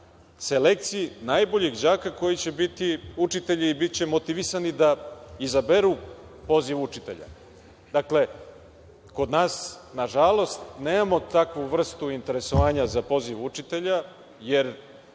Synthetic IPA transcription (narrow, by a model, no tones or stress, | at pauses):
se̞le̞k̚t̪sijinaːjbo̞ʎiɡd͡ʑaːkako̞jit͡ɕebit̪iut͡ʃit̪eʎiːbitt͡ɕe̞mo̞t̪iʋisanid̪aizabe̞ɾu | po̞ziʋut͡ʃit̪e̞̰ʎa̰ | d̪akle̞ | ko̞d̪naːsnaʒalˠo̞st̪neːmamo̞t̪akʋuʋr̩st̪uint̪e̞ɾe̞so̞ʋaːɲazapo̞ziʋut͡ʃit̪e̞ʎa | je̞ɾ